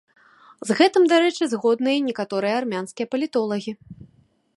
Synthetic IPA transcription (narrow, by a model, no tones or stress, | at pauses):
zɣɛt̪ɨmd̪aɾɛt͡ʂɨzɣɔd̪nɨjɐnʲɛkat̪ɔɾɨjɐarmʲanskʲijɐpɐlʲit̪ɔlˠɐɣʲi